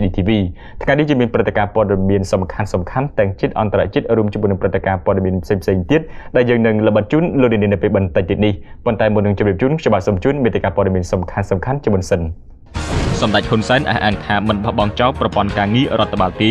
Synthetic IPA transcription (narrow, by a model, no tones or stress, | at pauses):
ɗiːt̪ʰiːʋiː | t̪ʰŋajniht͡ɕiəmiənprɨt̪ːekaːpŏəɗɑmiənsɑmkʰansɑmkʰant̪ɛ̆əŋt͡ɕiət̪̚ʔɑnt̪ara̰ʔt͡ɕiət̪̚ruəmt͡ɕmʊənɨəŋprɨt̪ːekaːpoəɗɑmiənpʰseːŋpʰseːŋt̪iət̪̚ɗaɛljəːŋnɨŋləɓət̪̚t͡ɕuːnloːkniəniənɨəpeːlɓənt̪əc̚t̪iət̪nihpont̪aɛmunːɨŋt͡ɕomriəp̚t͡ɕuːnkʰt͡ɕoɓahsoːmt͡ɕuːnmiːt̪ekaːpoɔəɗɑmiənsɑmkʰansɑmkʰant͡ɕiəmŭənsən | sɑmɗac̚hunsaɛnʔa̰ːhʔaːŋt̪ʰaːmɨnɓahɓɑŋt͡ɕaɔprɑpŏənkaːŋiərŏət̪ʰːaɓaːlt̪iː